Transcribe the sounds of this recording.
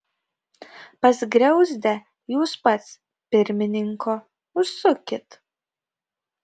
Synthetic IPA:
pɐsʲɡɾʲɛʊzʲd̪ʲɛ | juːspɐt̪s | pʲɪɾʲmʲɪnʲɪŋkʰoː | ʊʃsʊkʲɪt̪

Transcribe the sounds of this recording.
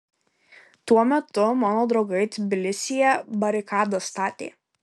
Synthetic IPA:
t̪uɔmʲɛt̪ʊmɑːnoːd̪ɾɒʊɡɐɪt̪ʲbʲɪlʲɪsʲɪjɛbɐɾʲɪkɑːd̪ɐst̪ɑːt̪ʲḛː

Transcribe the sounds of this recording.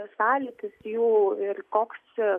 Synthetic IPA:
sɑːlʲɪt̪ʲɪsjuːɪrkoːks

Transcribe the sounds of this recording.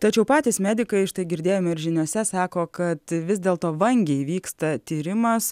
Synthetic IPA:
t̪ɐt͡ʃʲɛʊpɑːt̪ʲismʲæːd̪ʲɪkɐɪʃt̪ɐɪɡʲɪɾʲd̪ʲeːjoːmɪɾʒʲɪnʲuɔsʲɛsɑːkoːkɐt̪ʋʲɪzʲd̪ʲeːlˠt̪oːʋɐŋʲɡʲɛɪʋʲiːkst̪ɐt̪ʲiːɾʲɪmɐs

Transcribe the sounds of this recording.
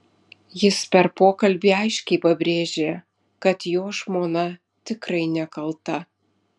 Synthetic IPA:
jɪspʲɛɾpoːkɐlʲbʲiːɐɪʃʲkʲɛɪpɐbʲɾʲeːʒʲeː | kɐt̪joːʒmoːnɐ | t̪ʲɪkɾɐɪnʲɛkɐlˠt̪ɐ

